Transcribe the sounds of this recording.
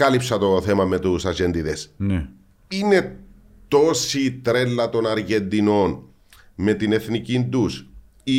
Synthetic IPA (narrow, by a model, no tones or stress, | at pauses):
ɐlipsɐt̪o̞θemɐmet̪usɐd͡ʒend̪iðesne | ine̞ | t̪o̞sit̪ɾelːɐt̪o̞nɐɾʝend̪ino̞n | me̞t̪ine̞θnicind̪us | i